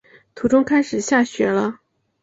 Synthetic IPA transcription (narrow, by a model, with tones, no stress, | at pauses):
t̪ʰu˧˥ʈ͡ʂʊ˥ŋkʰa˥ɪʂɻ̩˨˩ɕja˥˩ɕɥɛ˧˥lə˧